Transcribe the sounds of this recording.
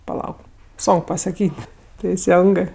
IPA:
pɐˈlˠɐʊk ˈsoːŋk pɐsɐˈkʲiːtʲ tʲɛɪˈsʲɛŋɡɜ

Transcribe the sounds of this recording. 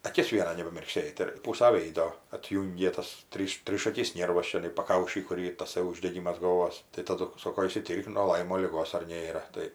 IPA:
ɐˈkʲɪs ˈʋʲiɛnɐ nʲɛbɐmʲɪrkˈsʲeːt ɪr ˈpuːsɐ ˈʋʲeːɪdoː ɐtʲˈjuːŋʲɡʲeː tɐs ˈtʲrʲiːʃ ˈtʲrʲiːʃɐkʲɪs ˈnʲeːrʋɐs t͡ʃʲɛˈnɐɪ pɐˈkɐʊʃʲiː ˈkʊr ˈiːr tɐˈsɐɪ ʊʒʲdʲɛˈɡʲɪmɐs ɡɐlˠˈʋoːs tɐɪ tɐˈdʊ ˈsoːkoː ɪʃʲsʲɪˈtʲiːrk nuɔ ˈlˠɐɪmoː lʲɪˈɡoːs ɐr ˈnʲeːrɐ ˈtɐɪ

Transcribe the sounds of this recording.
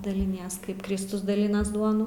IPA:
dɐlʲɪˈnʲiɛs ˈkɐɪp ˈkrʲɪstʊs dɐˈlʲɪnɐs ˈduɔnʊ

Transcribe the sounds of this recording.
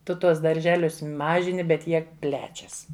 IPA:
ˈtʊ ˈtuɔs dɐrʲˈʒʲæːlʲʊs ˈmɑːʒʲɪnʲɪ bʲɛt ˈjiɛ ˈpʲlʲæːt͡ʃʲɛs

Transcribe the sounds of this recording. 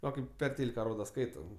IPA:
ˈʋɐ kɐɪp pʲɛr ˈtʲeːlʲɪkɐ ˈroːdɐ ˈskɐɪtɐ

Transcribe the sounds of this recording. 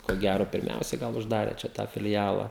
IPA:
koː ˈɡʲæroː pʲɪrʲˈmʲɛʊsʲɛɪ ˈɡɐlˠ ʊʒˈdɑːrʲeː t͡ʃʲɛ ˈtɑː fʲɪlʲˈjæːlˠɐ

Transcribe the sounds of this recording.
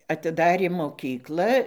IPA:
ɐtʲɪˈdɑːrʲeː moːˈkʲiːklˠɐ

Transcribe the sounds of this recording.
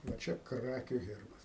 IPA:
ʋɐ ˈt͡ʃʲɛ ˈkrɑːkʲʊ ˈɣʲɛrbɐs

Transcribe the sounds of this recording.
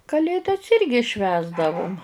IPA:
kɐˈlʲeːdɐs ˈɪrʲɡʲɪ ˈʃʲʋʲæːzdɐʋʊm

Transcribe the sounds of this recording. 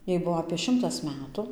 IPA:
ˈjɛɪ ˈbuɔ ɐpʲeː ˈʃʲɪmtɐs ˈmʲæːtʊ

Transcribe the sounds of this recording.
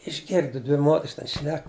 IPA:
ɪʒʲˈɡʲɪrdʊ ˈdʲʋʲɪ ˈmoːtʲɛrs tʲɛn ˈʃʲnʲɛk

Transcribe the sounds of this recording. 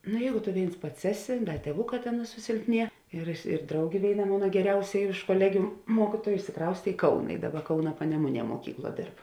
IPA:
ˈnʊ ˈjɛɪɡʊ tʊ ˈʋʲeːɪns ˈpɐts ˈæːˌsʲɪ ˈdɐ tʲiɛˈʋʊˌkɑː ˈtʲeːn sʊsʲɪlʲpʲˈnʲiɛ ɪr ɪr ˈdrɐʊɡʲeː ˈʋʲeːɪˌnɐ ˈmoːnɐ ɡʲɛˈrʲɛʊsʲɛ ɪʃ koːˈlʲæːɡʲʊ ˈmuɔkʲɪtuɔjʊ ɪʃʲsʲɪˈkrɐʊsʲtʲeː ɪ ˈkɐʊnɐ ɪ ˈdɑːˌbɐ ˈkɐʊnɐ pɐnʲɛˈmʊˌnʲiɛ moːˈkʲiːkˌlˠuɔ ˈdʲeːrp

